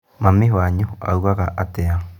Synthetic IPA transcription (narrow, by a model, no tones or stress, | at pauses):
mamiɦaɲoa̰uɣaɣaʔatea